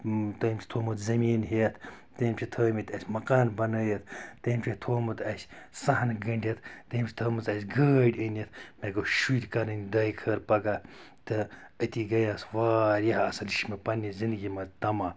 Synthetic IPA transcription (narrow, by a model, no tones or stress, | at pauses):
t̪ɐːmʲt͡ʃʰi̥t̪ʰoːmɨt̪zɐmiːnɦet̪ʰ | t̪emt͡ʃʰit̪ʰəːmit̪ʰʲɐsʲmɐkaːnbɐnəːjɐt̪ʰt̪empʲʰet̪ʰoːmɨt̪ʰɐsʲsɐɦnɡɐɳɖʲet̪ʰt̪empʲʰi̥t̪ʰoːmɨt̪ɐsʲɡəːɖʲənet̪ʰmeɡoʃuɾʲkɐnɐnʲd̪ɐːjikʰəːɾpɐɡaː | t̪ɨət̪iɡɐjaːsʋaːɾjaɦɐsɐliʃmepɐnizind̪ɡʲimɐzt̪ɐmaː